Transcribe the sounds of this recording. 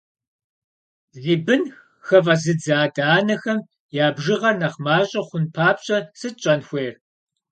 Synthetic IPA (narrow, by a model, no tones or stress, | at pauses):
ɮiːbɨn | xɐvɐzɨd͡zaːdaːnɐxɐm | jaːbʒɪʁɐrnɐχmaːɕʼɐχʷʊnpʰaːpɕʼɐsɨt͡ʃʼɐnxʷeːr